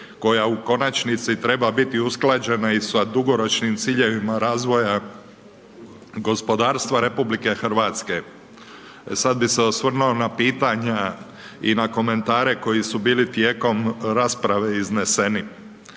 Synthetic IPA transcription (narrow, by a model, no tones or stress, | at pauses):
ko̞jauko̞nat͡ʃnit̪sit̪ɾe̞babit̪iusklˠad͡ʒe̞naisad̪uɡo̞ɾo̞t͡ʃnimt̪siːʎe̞ʋimaɾaːzʋo̞ja | ɡo̞spo̞d̪aːɾst̪ʋaɾe̞publike̞xɾ̩ʋat̪ske̞ | sad̪biseosʋr̩nuonapiːt̪aɲa | inako̞me̞nt̪aːɾe̞ko̞jisubiːlit̪jeːko̞mɾaːspɾaʋe̞izne̞se̞ni